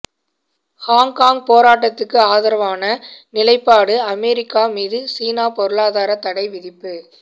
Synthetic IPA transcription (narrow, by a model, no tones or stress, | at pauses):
haːŋkaːŋɡ̚poːɾaːʈːɐt̪ːɯkːɯaːðɐɾɐʋaːnɐnɪlɐɪpːaːɽɯɐmɛːɾɪkːaːmiːðɯsiːnaːpɔɾɯɭaːðaːɾɐt̪ːɐɽɐɪʋɪðɪpːɯ